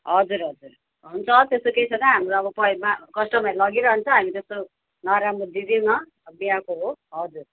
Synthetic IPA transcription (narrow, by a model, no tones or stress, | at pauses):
ɦʌd͡zuɾɦʌd͡zuɾ | ɦunt͡sʰʌt̪est̪okejt͡sʰʌt̪aɦamɾoʌbʌpʌmakʌsʈʌmajlʌɡiɾʌɦʌnt͡sʰʌɦamit̪ʌst̪o | naɾamud̪id̪ionʌ | biakoɦoɦʌd͡zur